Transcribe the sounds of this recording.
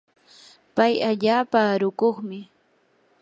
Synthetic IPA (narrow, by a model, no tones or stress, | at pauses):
pajaʎaːpaɾʊkoχmɪ